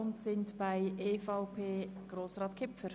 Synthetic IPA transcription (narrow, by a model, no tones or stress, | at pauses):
ʊntsɪntb̥aɪʔeːfɑʊpʰeːɡ̥ɾoːsrɑːtkʰɪpfəɾ